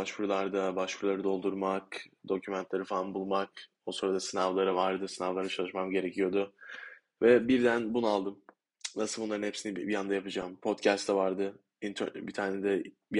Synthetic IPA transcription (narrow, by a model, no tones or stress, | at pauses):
baʃpuɾulˠaɾd̪abaʃpuɾulˠaɾɯd̪o̞lˠd̪uɾmakd̪o̞cʰymɛnt̪lʲeɾɯfalˠanbulˠmak | osoɾad̪asɯnavlˠaɾɯvaɾd̪ɯsɯnavlˠaɾɯt͡ʃʰalˠɯʃmamɟe̞ɾe̞cʰijo̞d̪ʊ | vɛbiɾd̪ænbunalˠd̪ɯm | nasɯlˠbunlˠaɾɯnhepsinibijand̪ajapɯd͡ʒaːmpʰo̞t̪cʰæst̪ʰːɛvaɾd̪ɯ | int̪ʰø̰bit̪ʰaːned̪ɛ | bi